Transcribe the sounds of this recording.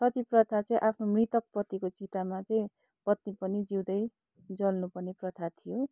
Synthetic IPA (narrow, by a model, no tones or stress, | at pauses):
sʌt̪iprʌt̪ʰat͡sʌ̃ĩʔapʰnomrit̪ʌk̚prʌt̪ikot͡sit̪amat͡sʌĩ | pʌt̪nipʌnid͡ziwd̪ʌj | d͡zʌlnupʌrneprʌt̪ʰat̪ʰijo